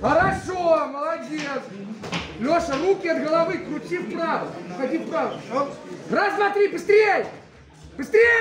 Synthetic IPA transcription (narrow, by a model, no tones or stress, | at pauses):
ɐɾaʃomɐlˠɐdʲes | lʲoʃɐrukʲiɛd̪ɣɐlˠɐvɨkɾut͡ʃʲipɾavɐxɐt̪ʲipɾavɐ | rɐsmat̪ɾʲibɨst̪ɾʲej | bɨst̪ɾʲe